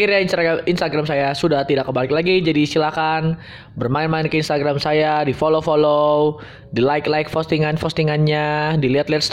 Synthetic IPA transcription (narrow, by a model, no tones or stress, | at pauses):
iɾjainsainst̪aɡɾamsajasudaht̪idakːəbalɪklaɡid͡ʒadiːst̪ilakan | bərmaɪnmaɪnkəinst̪aɡɾamsajadifolofolo | dilaɪklaɪk̚fɔst̪iŋanfɔst̪iŋanɲadiliɦat̪liat̪s